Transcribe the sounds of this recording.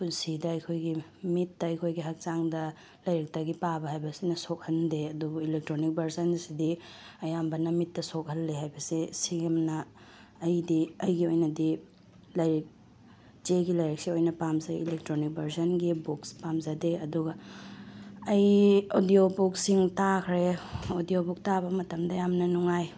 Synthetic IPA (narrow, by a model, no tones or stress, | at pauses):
punsidɐɐjkʰojɡimitːɐɐjkʰojɡiɦɐk̚t͡ʃaŋdɐ | lɐjɾɐk̚tɐɡipabɐɦajbɐsinɐsok̚hɐndeɐdubuilek̚tɾonik̚bʱɐɾsɐnsidi | ɐjambɐnɐmitːɐsok̚hɐlːeɦajbɐsisiɡɐmnɐː | jdiɐjɡiojnɐdi | lɐjɾik̚ | zeɡilɐjɾɐk̚siojnɐpamzaḭlek̚tɾonik̚bʱɐɾsɐnɡibukspamzadeɐduɡɐ | ɐjodijobuk̚siŋtakʰɾeodijobuk̚tabɐmɐtɐmdɐjamnɐnuŋaj